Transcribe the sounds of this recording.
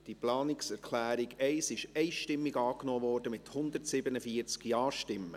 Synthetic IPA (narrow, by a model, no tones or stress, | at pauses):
d̥iplɑːnɪksɛɾkʰlæːɾiɡɛɪsɪʃɛɪʃtɪmːiɡɑːknɔːvɔːrd̥əmɪt̪hʊnd̪ətsɪbənəfiəɾt͡skjɑːɾʃtɪmːə